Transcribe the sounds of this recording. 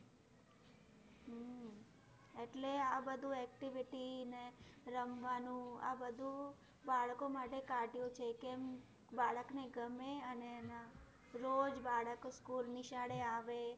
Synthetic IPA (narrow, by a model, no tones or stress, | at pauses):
ɦ | eʈleabəd̪ʱũɛk̚ʈiʋiʈineɾəmʋanũa̰bəd̪ʱũ | baɭkomaʈekaɖʱjũt͡ʃʰekem | baɭəkneɡəmeənena | ɾod͡ʒbaɭəkskulnɪʃaɽeaʋe